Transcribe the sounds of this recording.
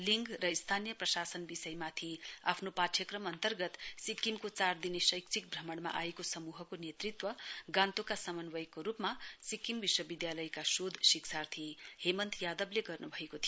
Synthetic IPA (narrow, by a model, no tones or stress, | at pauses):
liŋɡrʌist̪ʰanijʌprʌsasʌnbisʌjmat̪ʰia̰pʰnopaʈʰjʌkrʌmʌnt̪ʌrɡʌt̪sikːimkot͡sard̪inesʌjk̚t͡sʰik̚bʱrʌmʌɽma̰ʔajekosʌmuɦʌkonjet̪rit̪wʌɡãnt̪okasʌmʌnbʌjkːoɾupmasikːimbiswʌbid̪jalʌjkasod̪ʱsiksʰart̪ʰihemʌnt̪jad̪ʌbleɡʌrnubʱʌekot̪ʰijo